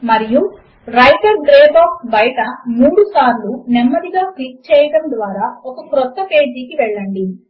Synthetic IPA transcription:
mɐɾiju | ɾɐjʈɐɾɡɾeːbaːkbɐjʈɐmuːɽusaːɾlunemːɐd̪iɡaːklik̚t͡ʃɛːjɐɽɐmd̪ʋaːɾaːɔkɐkɾɔt̪ːɐpe̞ːd͡ʒiːkiʋɛɭːɐɳɖi

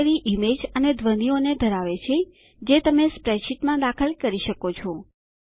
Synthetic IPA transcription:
ɾiʔimed͡ʒəned̪ʱʋənioned̪ʱəɾaʋet͡ʃʰe | d͡ʒet̪əmespɾeʃiʈmãd̪akʰəlkəɾiʃəkot͡ʃʰo

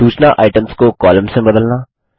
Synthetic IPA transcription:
uːt͡ʃnaʔa̰ːɪʈə̃mskokɔːlə̃msẽbɐd̪əlnaː

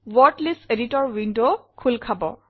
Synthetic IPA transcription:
wɔtliseditɔɹwindokʰulkʰabɔ̰

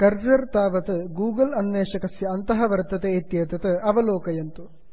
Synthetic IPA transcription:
kɐɾd͡ʒɐɾt̪aːʋɐt̪ɨɡuːɡɐlɐnʋeːʂɐkɐsjɐɐnt̪ɐɦɐʋɐɾt̪ɐt̪eːt̪jeːt̪ɐt̪ɨɐʋɐloːkɐjɐnt̪u

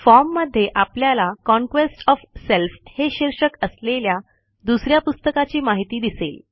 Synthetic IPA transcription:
fɔɾmːəd̪ʱːjeʔapljalakɔ̃ŋkʋesʈɔfselfheɕiɾʂəkəslelja | d̪usɾjapust̪əkat͡ɕiːmaɦit̪iːd̪isḛl

